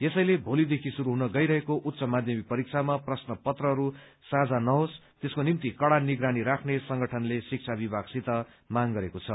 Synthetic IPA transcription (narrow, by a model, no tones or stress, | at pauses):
jesʌjlebʱolid̪ekʰisuɾuɦunʌɡʌjɾʌɦekoʔut̪sʌmad̪ʱjʌmipʌɾik̚t͡sʰamaprʌsnʌpʌt̪rʌɦʌɾu | sad͡zanʌɦos | t̪eskonimt̪ikʌɽaniɡɾaniɾakʰnesʌŋɡʌʈʰʌnlesik̚t͡sʰabibʱaɡsit̪ʌ | maŋɡʌɾekot͡sʰʌ